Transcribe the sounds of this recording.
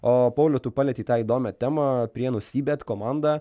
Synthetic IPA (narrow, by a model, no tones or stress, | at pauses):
oːpɐʊlʲʊt̪upɑlʲɛt̪ʲiːt̪ɑːiːd̪oːmʲɛt̪ʲæːmɐpʲɾʲiɛnʊsʲiːbʲɛt̪ʲkomɑnd̪ɑ